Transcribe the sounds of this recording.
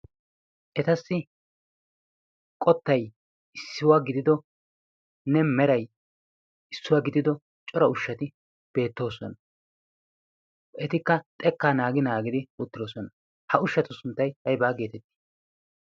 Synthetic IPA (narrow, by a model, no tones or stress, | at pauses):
ʔɛt̪ɐsːɪ | kʼɔt̪ːɐj | ʔɪsːɪwaːɡɪd̪ɪd̪ɔ | nɛmɛɾɐj | ɪsːʊwaːɡɪd̪ɪd̪ɔ | t͡ʃʼɔɾɐʊʃːɐt̪ɪ | b̥e̞ːt̪ːo̞ːsɔnɐ | ɛt̪ɪkːɐt̪ʼɛkːaːnaːɡɪnaːɡɪd̪ɪʊt̪ːɪd̪oːsɔnɐ | hɐʊʃːɐt̪ʊsʊnt̪ːɐjhɐjbaːɡe̞ːt̪ɛt̪ːɪ̥